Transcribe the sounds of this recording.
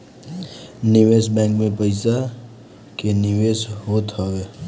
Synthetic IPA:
nɪʋesbɛ̃ŋkmẽpəɪsa | kenɪʋesɦoːt̪ɦɔʋe

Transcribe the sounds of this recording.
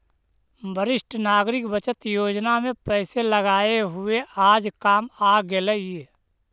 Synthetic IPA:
bʱəɾɪʃʈʰnaːɡɾɪkbət͡ʃət̪joːd͡ʒnamẽpɛːseləɡaːeɦʊeaːd͡ʒkaːmaːɡeləe

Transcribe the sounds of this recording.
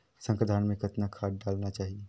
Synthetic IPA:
sə̃ŋkɾəd̪ʱaːnmẽkɐt̪nakʰaːʈ̚ɖaːlnat͡ʃaːɦie

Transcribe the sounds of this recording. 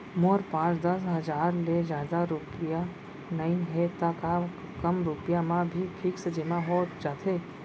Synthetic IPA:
moɾpãːt͡ʃd̪əsɦəd͡ʒaːɾlezjaːd̪aɾʊpija | nəĩɦet̪aka | kəmɾʊpijamãbʱiʈʰiːksəd͡ʒɪmãɦoːd͡ʒaːt̪ʰe

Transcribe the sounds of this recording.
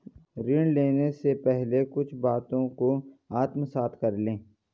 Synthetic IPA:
ɾɪɳɖleːnesepɛɦlekʊt͡ʃʰbaːt̪õkoaːt̪məsaːt̪ʰkɐɾlẽː

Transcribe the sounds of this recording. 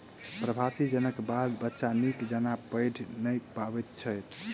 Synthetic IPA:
pɾəbʱasid͡ʒənəkbad̪bətːʃanikd͡ʒanapəjɖʰʱnəjpabɛt̪̚t͡ʃʰəjt̪̚ʰ

